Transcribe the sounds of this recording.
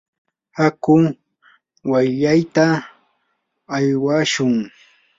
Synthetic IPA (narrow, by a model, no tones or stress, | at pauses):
hakʊ | wajʎajt̪a | jwaʃʊŋ